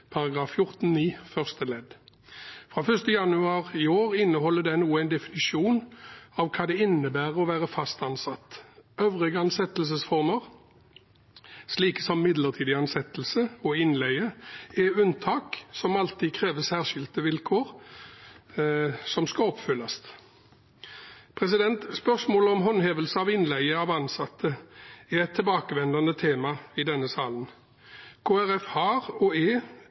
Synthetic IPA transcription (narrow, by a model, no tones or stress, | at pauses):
pʰɑʁɑɡʁɑːffjʊʁt̪n̩niːfœʁst̪əlɛd̪ | fʁɑːfœʁst̪əjɑnʉɑːʁɪoːʁɪnːəɦɔlːəd̪ɛɪnuːəæɪnd̪ɛfɪnɪʃuːnɑʋkʰɑːd̪ɛɪnːəbæːʁəɔʋæːʁəfɑst̪ɑnsɑt̪øʋʁɪɡəɑnsɛt̪əls̬əsfɔʁməʁ | sliːkə̥sɔmːɪd̪ləʁt̪ʰiːd̪ɪɑnsɛt̪əl̩səɔɪnlæɪəɛʉnt̪ʰɑːksɔmɑlt̪ʰiːkʰʁeːʋəsæːʁʃɪlt̪əʋɪlkʰoːʁ | sɔmskɑɔpfʏlːɑst̪ | pʰʁɛsɪd̪ɛnt̪spœʁsmoːləɔmɦɔnɦeːʋəlsəɑʋɪnlæɪəɑʋɑnsɑt̪ʰːəɛʁɛt̪ʰːɛlbɑːkəʋɛnd̪ɑnət̪ʰeːmɑɪd̪ɛnːəsɑːlən | kʰoːæʁɛfhɑːʁɔɛ